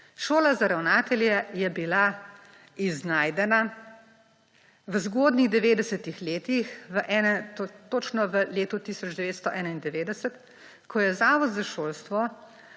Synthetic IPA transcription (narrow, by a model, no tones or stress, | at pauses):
ʃoːlazaɾawnaːt̪ɛljɛjɛbila | iznaːjd̪ɛna | ʋəzɡoːd̪niɣd̪ɛʋeːd̪ɛsɛt̪ixleːt̪ixʋəʔɛːnɛt̪ot͡ʃnɔʋəleːt̪ut̪isɔd͡ʒd̪ɛʋeːt̪st̪ɔʔɛːnaind̪ɛʋeːd̪ɛsɛt̪ | kɔjɛzaːʋɔd̪zaʃoːlst̪ʋɔ